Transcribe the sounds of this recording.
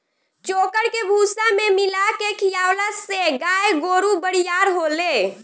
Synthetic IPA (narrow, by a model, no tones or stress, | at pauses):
t͡ʃokəɽkebʱusamemilakekʰijawlaseɡajɡoɾubəɽijaɾɦole